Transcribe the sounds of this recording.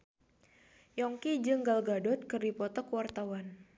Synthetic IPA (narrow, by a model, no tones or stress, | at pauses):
jɔŋkid͡ʒɨŋɡalɡadɔt̪̚kɨrdipɔt̪ɔkuwart̪awan